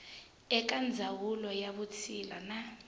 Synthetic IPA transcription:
ɛk̬and͡zʱawulɔjaβut͡sʰila̰na

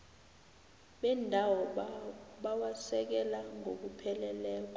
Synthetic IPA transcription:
ɓɛndʱawɔ | ɓawasɛk̬ɛlaŋok̬upʰɛlɛlɛːk̬ɔ

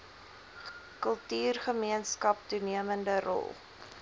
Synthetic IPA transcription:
kəlˠtyːrχəmiənskɐp̚tuniəməndəɾɔ̰lˠ

